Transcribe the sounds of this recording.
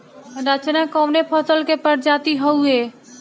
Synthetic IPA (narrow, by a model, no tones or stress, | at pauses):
ɾat͡ʃənakɔwnepʰəsəlkepəɾd͡ʒaːt̪iɦəue